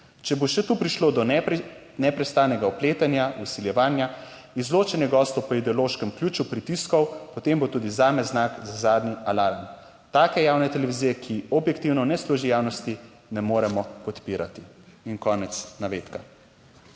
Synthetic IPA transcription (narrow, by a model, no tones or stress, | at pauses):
t͡ʃɛboʃɛt̪uːpɾiʃlod̪ɔ | nɛpɾɛst̪aːnɛɡaɔpleːt̪anjausiljɛʋaːnja | izloːt͡ʃɛnjɛɡɔːst̪ɔwpɔid̪ɛɔloːʃkɛmklʲuːt͡ʃupɾit̪iskɔwpɔt̪embot̪uːd̪izaːmɛznakzazaːd̪niʔalaːɾm | t̪aːkɛjaːwnɛt̪ɛlɛʋizijɛkʰiɔbjɛkt̪iwnɔnɛsluːʒijaːwnɔst̪i | nɛmoːɾɛmɔpɔt̪piːɾat̪iinkɔːnɛt̪snaʋeːt̪ka